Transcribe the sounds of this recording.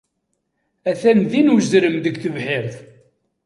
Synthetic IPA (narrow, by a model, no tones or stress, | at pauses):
æθænðinwəzɾəmðəɡθəvħɪɾθ